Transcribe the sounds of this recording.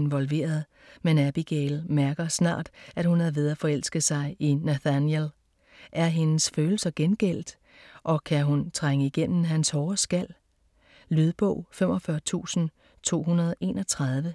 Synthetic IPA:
nʋɒ̽lʋe̝̰ːɐð̞ˠ | menæb̥iɡ̥ɛɪlmæɐɡ̥ɐsnɑ̰̈ːd̥æd̥hunhæʋe̝ð̞ˠæfɒ̽el̰sɡ̥əðsɑ̈ɪinæθænjel | ʔæɐɦe̝nəsføːl̩sɐɡ̥enɡ̥el̰d̥ | ʔɒ̽kʰæɦunt͡sʰʁaŋəiɡ̥en̰m̩ɦænshɒːsɡ̥æl̰ | lyð̞ˠb̥ɔ̽ʊ̰fem̰ʔɒ̽fɶɐt͡sʰṵːsn̩ | t͡sʰo̝̰ːɦunɐðˠʔe̝ːnɒ̽t͡sʰʁɑð̞ˠʋə

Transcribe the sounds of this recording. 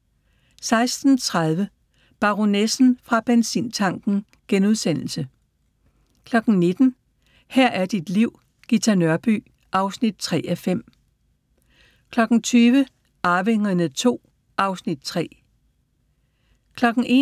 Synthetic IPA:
sɑ̈ɪsd̥n̩t͡sʰʁað̞ˠʋə | b̥ɑ̈ʁo̝nesn̩fʁɑ̈b̥ensḭːnt͡sʰɑ̈ŋ̰ɡ̥n̩ | ɡ̥enuð̞ˠsen̰l̩sə | kʰlɒ̽ɡ̥n̩ne̝d̥n̩ | hæɐ̰ʔæɐd̥id̥liʊ̰ | ɡ̥it͡sʰɑnɶɐb̥y̰ | ʔɑ̈ʊsnid̥̚t͡sʰʁɛ̰ːʔæfem̰ | kʰlɒ̽ɡ̥n̩t͡sʰyːʋə | ʔɑ̈ʋeŋ̰ɐnət͡sʰo̝̰ː | ʔɑ̈ʊsnid̥̚t͡sʰʁɛ̰ː | kʰlɒ̽ɡ̥n̩e̝

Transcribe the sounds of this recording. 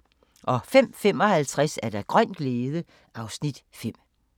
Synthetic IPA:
ʔɒ̽fem̰fem̰ɒ̽hælt͡sʰʁasæɐd̥ɑ̈ɡ̥ʁɶn̰ɡ̥leːðˠə | ʔɑ̈ʊsnid̥fem̰

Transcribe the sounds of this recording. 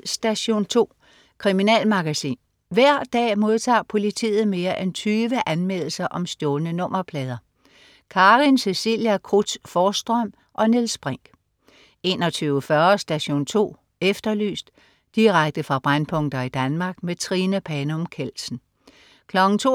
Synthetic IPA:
sd̥æɕo̝̰ːnt͡sʰo̝̰ː | kʰʁiminɛ̰ːlmɑ̈ɡ̥æsḭːn | ʋæɐ̰d̥ɛ̰ːmo̝ð̞ˠt͡sʰɑ̰̈ːpʰo̝lit͡sʰḭːð̞̩ˠme̝ːɐʔent͡sʰyːʋəʔænmel̰l̩sɐʔɒ̽msd̥jɔːlnənɔ̽m̰ɐpʰlɛːð̞ˠɐ | kʰɑ̈ːʁinsesḭljækʰʁud̥sfɒːsd̥ʁœm̰ | ʔɒ̽nilsb̥ʁeŋ̰ɡ̥ | e̝ːnɒ̽t͡sʰyːʊfɶɐsd̥æɕo̝̰ːnt͡sʰo̝̰ː | efd̥ɐly̰ːsd̥ | d̥iʁaɡ̥̚d̥əfʁɑ̈b̥ʁanpʰɔ̽ŋ̰d̥ɐid̥ænmɑ̈ɡ̥met͡sʰʁinæpʰɛnomkʰel̰sn̩ | kʰlɒ̽ɡ̥n̩t͡sʰo̝̰

